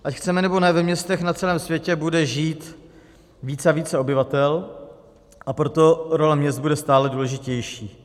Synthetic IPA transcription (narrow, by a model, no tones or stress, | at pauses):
ʔacxt͡sɛmɛnɛbo̞nɛvɛmɲɛst̪ɛxnat͡sɛlɛːmsvjɛcɛbudɛʒiːt̪ | viːt͡saviːt͡sɛo̞bɪvat̪ɛl | ʔapɾo̞t̪o̞ɾo̞lɛmɲɛst̪budɛst̪aːlɛduːlɛʒɪcɛjʃiː